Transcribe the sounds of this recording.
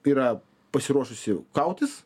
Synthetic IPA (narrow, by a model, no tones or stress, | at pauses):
iːɾɐ | pɐsʲɪɾuɔʃʊsʲɪkɐʊt̪ʲɪs